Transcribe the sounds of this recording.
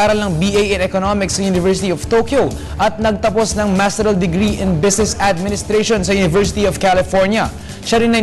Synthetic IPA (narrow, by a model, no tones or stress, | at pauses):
aːɾɐlɐŋbiʔejɛnɛkonomɪksɐjunɪvɛɹsɪt̪iɔv̥t̪oːkjo | ʔɐt̪̚nɐɡ̚t̪ɐpo̞snɐŋmast̪ɛɾɐld̪ɪɡɾiʔɛ̃nbɪsnɛsɐd̪̚mɪnɪst̪ɾejʃonsɐjunɪvɛɹsɪt̪iɔvkalɪfɔɹnjɐ | ʃɐɾɪnːɐ